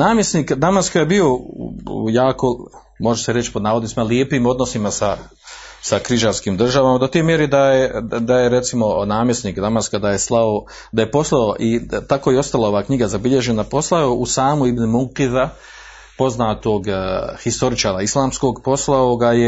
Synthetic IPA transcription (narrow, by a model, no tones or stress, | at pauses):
naːmjesniːkd̪amaskajebio̞ | jaːko̞ | mo̞ʒeseɾe̞t͡ʃpod̪naːʋod̪ismaljepiːmo̞d̪no̞simasa | sakɾiʒaɾskiːmd̪r̩ʒaʋamad̪o̞t̪eːmjeɾed̪ajed̪aje̞ɾe̞t̪simo̞naːmjesniːkd̪amaskad̪aje̞slˠao | d̪aje̞po̞slˠaoʔit̪akojeo̞st̪alˠao̞ʋaːkɲiɡazabiʎe̞ʒe̞napo̞slaoʔusaːmuibnimuqiða | po̞znaːt̪o̞ɡhist̪o̞ɾit͡ʃaːɾaislˠaːmsko̞ɡpo̞slˠaoɡaje